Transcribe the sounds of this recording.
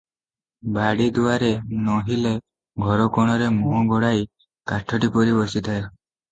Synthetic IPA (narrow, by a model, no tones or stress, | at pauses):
baɽid̪uaɾenɔɦile | ɡʱɔɾɔkɔɽ̃ɔɾemɔɡʱɔɽaj | kaʈʰɔʈipɔɾibɔsit̪ʰae